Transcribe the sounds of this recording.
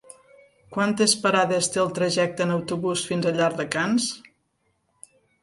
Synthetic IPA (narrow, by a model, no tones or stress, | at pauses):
kwant̪espəɾaðest̪eəlˠt̪ɾəʒɛk̚t̪ənəwt̪uβusfinzəʎaɾðəkans